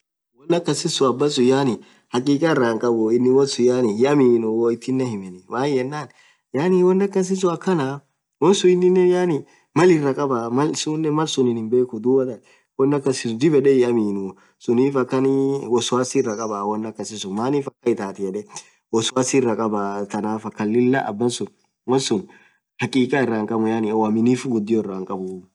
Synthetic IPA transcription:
wɔnːɐkːɐsɪsʊɐbːɐsʊjaːnɪ | hɐkʼiːkʼɐɪrːaːŋkʼɐbʊɪnːɪwɔsʊjaːnɪjɪɐmiːnʊwɔɪt̪ːɪnːɐhɪmɛnɛwaːnjɛnːaːn | jaːnɪwɔnːɐkːɐs̬ɪs̬ʊɐkːɐna | wɔnsʊɪnːɪnːɛjaːnɪ | mɐlɪrːɐkʼɐbamɐlsuːnːɛmɐlsʊnɪnɪmbe̞ːkʊd̪uːbɐt̪ɐ | wɐnːɐkːɐsɪsʊd̪ɪbɛᶑɛjɛɐmiːnʊ | sʊniːfɐkːɐnwɔsʊaːsɪrɐkʼɐbaːwɐnːɐkːɐsɪsʊmaːniːfɐkːɐɪt̪aːt̪ɪjɛᶑɛ | wɔsʊwaːsɪrːɐkʼɐbaːt̪ɐnaːfɐkːɐlːɪlːɐʔɐ̰bːɐnsʊn | wɔnsʊn | hɐkʼiːkʼaːɪrːaːŋkʼɐmʊjaːnɪwɐmɪniːfɡʊd̪ːɪjoɪrːaːŋkʼɐbʊ

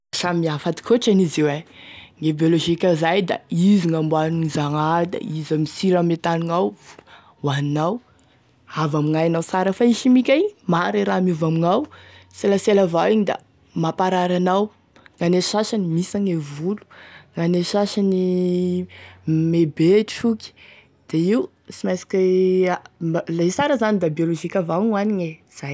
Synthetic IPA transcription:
asammiafat̪i̥kʰoʈ͡ʂanizeweŋebioloʒikʲazajd̪a̰iziŋambwaninizaŋad̪a̰izamisiɾamet̪aniŋaw | waninaw | avamiŋajanawsaɾəfaiʃimikʲajmaɾeɾamiuvamiŋawselaselavawiɲid̪a̰ | mapaɾaɾanaw | ŋaneʃaʃanimisaŋevulu̥ŋaneʃaʃani | mebeʈ͡ʂukʲi̥ | d̪̥eiu | t͡simajsi̥kʲealesaɾəzanid̪abioloʒikʲavaŋaniɲe | z̥aj

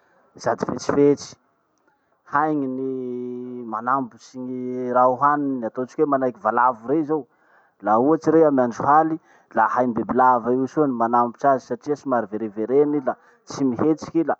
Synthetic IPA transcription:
z̥ad̪ifet͡si̥fet͡ʃi̥ | hajŋini | manambusiɲiɾauɦaniniat̪ot͡ʃikwemanajkʲivalavuɾeizaw | lauat͡ʃiɾeamianɖ͡ʐuhali | lahajmbebilavaiwsonimanambit͡ʃazisaʈ͡ʂiasimaɾiveɾeveɾenila | t͡simiɦet͡ʃi̥kila

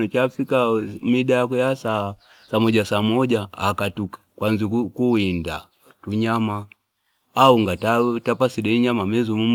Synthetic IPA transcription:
ɔt͡ʃafikamiɗaakɛjasa | samɔɟasaːmɔʄaakatukḁkwanzikuinda | tuɲamaː | uŋɡatatapasiɗɛiɲamamɛzumum

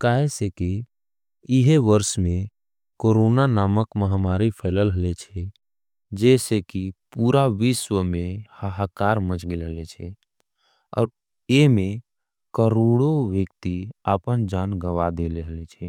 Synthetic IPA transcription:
kaːɦeseki | ɪɦeʋəɾsmẽ | koːɾoːnanaːməkməɦamaːɾipʰəːləlɦəlet͡ʃʰɛ | d͡ʒɛːsekipuːɾaʋɪʃwəmẽhəɦakaːɾmət͡ʃɡelɦəlet͡ʃʰɛ | ɔ̰ːɾ | emẽ | kəɾoːɽoʋjəkt̪iaːpənd͡ʒaːnɡəʋad̪eːleɦəlet͡ʃʰɛ

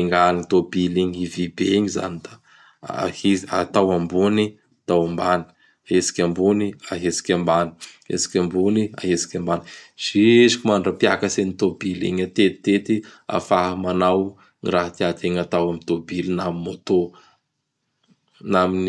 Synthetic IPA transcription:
eŋɡanit̪obiliɲivibeɲiza̰nid̪̥a | hia̰t̪awambuni | at̪awambani̥ | aesi̥kʲambuniaɦesi̥kʲambani̥ | ḛsi̥kʲambunia̰ɦesi̥kʲambaniz̥isikimaɳɖ͡ʐapja̰kəsenit̪obilḭɲat̪et̪i̥t̪et̪ia̰faɦamanaw | ŋiraɦat̪iat̪eŋat̪awamit̪obilinaminot̪o | namini

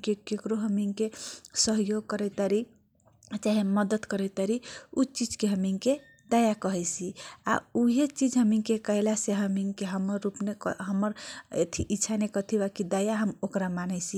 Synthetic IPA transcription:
kekekɾoɦəmiŋkesəɦjoɡ̚kəɾɛt̪aɾi | t͡ʃaɦiməd̪əd̪kəɾɛt̪aɾiut͡ʃid͡ʒkeɦəmiŋke | d̪əjakəɦɛjsʰia̰uɦet͡ʃid͡ʒɦəmiŋkekəɦlaseɦəmiŋkeɦəməɾːupnekɦəməɾḛt̪ʰiʔitːʃʰanekət̪ʰibakid̪əjaɦəmokɾamanɛsi

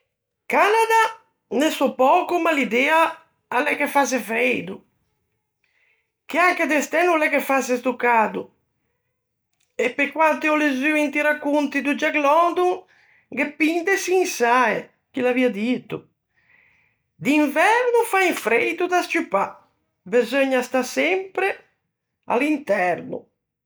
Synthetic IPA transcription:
kanad̪a | nɛsɔpɔːkumalid̪ɛːaː | lɛkefasɛfɾed̪u | k̟iaŋkɛd̪ɛst̪ɛnulɛkefasest̪ukːaːd̪u | epːekwant̪iɔlezyint̪iɾakːunt̪id̪ud͡ʒaɡlɔnd̪uŋ | ɡɛpːind̪ɛsiːnsaɛ | k̟ilaviad̪it̪u | d̪iɱvɛɾnufaiɱfɾed̪ud̪astupːa | bezɔɲːast̪asɛmpɾɛ | a̰lint̪ɛɾnṵ

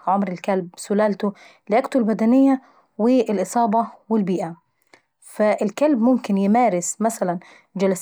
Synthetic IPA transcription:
ʕʊmɾɪlkalbsʊlaːlt̪ʊ | lɪʔakt̪ulbad̪anɪjːa | wɪʔɪlʔɨsˤɑːbɑwɪlbiːʔa | faʔɪlkalbmʊmkɪnjɪmaːɾɪsmasalan | d͡ʒalas

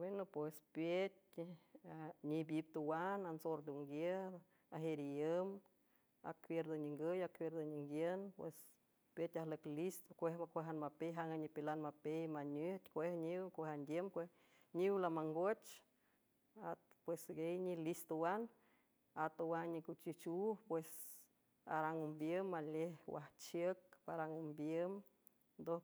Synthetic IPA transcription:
wenopwespjet̚ʲ | aɲibjip̚t̪uwanansoɾd̪uŋɡjed̪ | aɦeɾijəm | a̰kwjeɾd̪oɲiŋɡəjakwjeɾd̪oɲiŋɡjenpwḛs | pʲjet̪ʲahləklist̪okʷehmakʷeɦanmapejɦaŋɡaɲipilanmapejmaɲeht̪ʲkʷehɲiwkʷeɦand̪ʲjemkʷe | ɲiwlamaŋɡot͡ʃ | at̪pwesɡejɲilist̪owan | at̪owaɲikut͡ʃit͡ʃuhpwes | a̰ɾaŋumbjəmːalehwa̰ht͡ʃjək̚paɾaŋumbjəm | d̪o

